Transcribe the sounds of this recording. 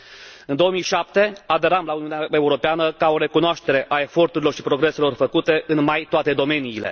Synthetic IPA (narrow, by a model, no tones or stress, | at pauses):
ɨnd̪o̞omijʃap̚t̪e̞ad̪e̞ɾamlauniuneae̞uɾo̞peanəkao̞ɾe̞kunoaʃt̪e̞ɾe̞ʔae̞fo̞rt̪uɾilorʃipɾo̞ɡɾe̞se̞lo̞rfəkut̪e̞ʔɨnmajt̪oat̪e̞d̪o̞me̞niːle̞̰